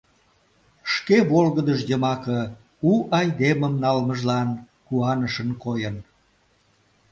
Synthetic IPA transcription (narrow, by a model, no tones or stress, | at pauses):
ʃkeβolɣəd̪əʃjəmɑkə | uʔɑjd̪eməmnɑlməʒlɑn | kuɑnəʃənkojən